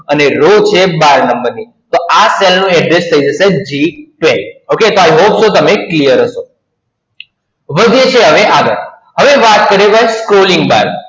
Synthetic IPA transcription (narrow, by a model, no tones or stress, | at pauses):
əneɾot͡ʃʰebaɾnəmbəɾni | t̪oʔaselnũɛɖɾest̪ʰəid͡ʒəsed͡ʒiʈʋeoket̪oajɦopsot̪əmeklijəɾɦəʃo | ʋəd̪ʱijet͡ʃʰeɦəʋeʔaɡ̪ə̰ɾ | ɦəʋeʋat̪kəɾeʋajskɾoliŋɡ̚ba̰ɾ